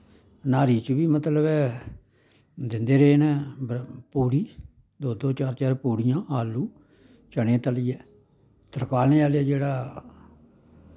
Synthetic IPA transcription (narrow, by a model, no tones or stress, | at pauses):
naːɾiːt͡ʃəbiːmət̪ləbɛː | d̪ɪnd̪eːɾeeːnɛ̃ːbpuːɽiː | d̪oːd̪oːt͡ʃaːɾt͡ʃaːɾpuːɽɪjãːaːlːuː | t͡ʃəɽẽːt̪əliɛː | t̪əɾkaːlneːaːlɛːd͡ʒeːɽaː